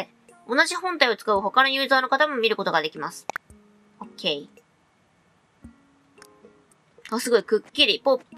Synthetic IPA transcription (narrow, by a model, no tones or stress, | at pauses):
o̞naʑihõ̞nt̪aio̞t͡sɨ̥kaɯ̟ɦo̞kanojɯːzaːno̞kat̪amo̞mʲiɾɯ̟ko̞t̪o̞ɡad̪e̞kʲimasɨ̥ | okʰʲe̞i | asɨɡo̞ikɯ̟kʲːiɾʲipo